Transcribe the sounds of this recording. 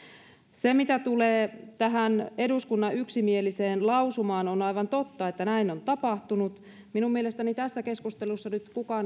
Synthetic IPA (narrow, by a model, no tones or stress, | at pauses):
semit̪æt̪uleːt̪æɦæneduskunːɑyksimieliseːnlɑusumɑːnonɑiʋɑnt̪ot̪ːɑet̪ːænæinont̪ɑpɑht̪unut̪ | minummielest̪ænit̪æsːækeskust̪elusːɑnyt̪kukɑn